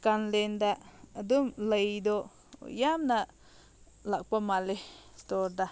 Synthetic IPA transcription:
kanlend̪aʔd̪umlejd̪oʔ | jamnaʔ | lak̚pamalest̪oɾd̪a

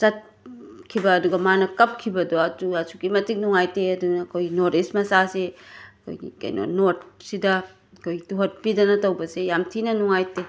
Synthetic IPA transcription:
sɐt̚ | kʰibɐːduɡɐmanɐkɐp̚kʰibɐdoɐtuɐsukimɐtik̚nuŋajteɐdunɐːkʰojɡinoɾismɐsaseɐkʰo̰jɡḭkɐ̰jno̰not̚sidɐ | ɐkʰojɡituɦɐt̚pidɐnɐtɐwbɐsejamtʰinɐnuŋajte

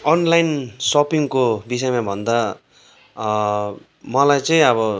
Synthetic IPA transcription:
ʌnlainsopiŋkobis̬ʌjmabʱʌnd̪a | mʌlajt͡sʌĩʌβʌ

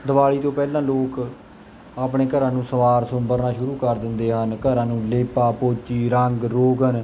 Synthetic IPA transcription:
d̪əʋaːɭiːt̪õːpɛːlãːloːk | aːpɳeːkəɾãːnũːsəʋaːɾsʊmbəɾnaːʃʊɾuːkəɾd̪ɪnd̪eːɦənkəɾãːnũːleːpaːpoːt͡ʃiːɾəŋɡɾoːɡən

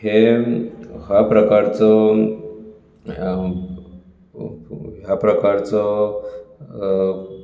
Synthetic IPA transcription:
he | ɦapɾəkaɾt͡sɔ | ɦjapɾəkaɾt͡sɔ

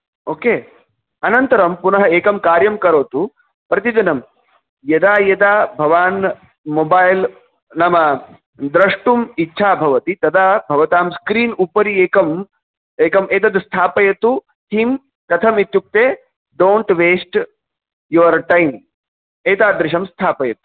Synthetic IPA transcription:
oːkeː | ɐnɐnt̪ɐɾɐmpunɐɦɐeːkɐmkaːɾjɐmkɐɾoːt̪u | pɾɐt̪̬id͡ʒɐnɐm | jɐd̪aːjɐd̪aːbʱɐʋaːn | mobaːjl | nɐmɐ | d̪ɾɐʂʈumitːʃʰaːbʱɐʋɐt̪it̪ɐd̪aːbʱɐʋɐt̪aːmskɾiːnupɐɾieːkɐm | eːkɐmeːt̪ɐd̪st̪ʰaːpɐjɐt̪u | t̪ʰiːm | k̪ɐt̪ʰɐmit̪ːjuk̚t̪eː | ɖoːɳʈʋeːsʈ | juʋɐɾʈɐjm | eːt̪aːd̪ɾɪʃɐmst̪ʰaːpɐjɐt̪u̥

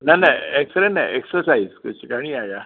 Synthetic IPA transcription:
najnaeksəɾena̰eksəɾsaid͡zkət͡ɕikaɽ̃iːaja

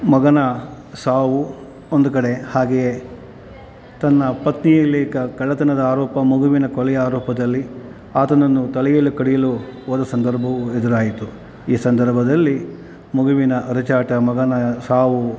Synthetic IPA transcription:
mɐɡɐnɐ | saːʋu | ond̪ukɐɽe̞haːɡeje | t̪ɐnːɐpɐt̪nijɐleːkɐkɐɭːɐt̪ɐnɐd̪ɐaːɾɔːpɐmuɡuʋinɐkɔlɛjaːɾɔːpɐd̪ɐlːi | aːt̪ɐnɐnːut̪ɐlɐjɐlːukɐɽijɐluoːd̪ɐsɐnd̪ɐɾbʱɐʋued̪uɾaːjit̪u | iːsɐnd̪ɐɾbʱɐd̪ɐlːi | muɡuʋinɐʔɐɾɐt͡ʃaːʈɐmɐɡɐnɐsaːʋu

